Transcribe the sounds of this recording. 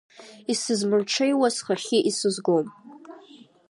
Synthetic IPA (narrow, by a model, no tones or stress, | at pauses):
isɨzmɨrʈ͡ʂʰejwasχaχʲɪʔisɨzɡom